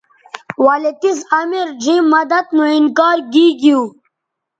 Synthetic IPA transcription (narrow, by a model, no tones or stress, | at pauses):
walit̪izamiɾd͡ʑimːɐd̪at̪nuinkɑːɾɡiːɡiw